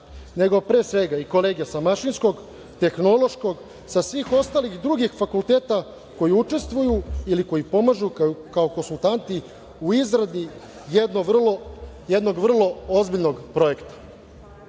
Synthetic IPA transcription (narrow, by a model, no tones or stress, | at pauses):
ne̞ɡo̞pɾe̞ːsʋe̞ɡaiko̞le̞ːɡijasamaʃinsko̞ɡ | t̪e̞xno̞lo̞ʃko̞ɡ | sasʋiːxo̞st̪aːlixd̪ɾuːɡixfakulˠt̪e̞ːt̪a | ko̞jiut͡ʂe̞st̪ʋujuiliko̞jipo̞maʒukaokonsult̪ant̪i | uizɾad̪ni | jed̪noljed̪no̞ɡvr̩lˠo̞ozbiʎno̞ɡpɾo̞je̞kt̪ḁ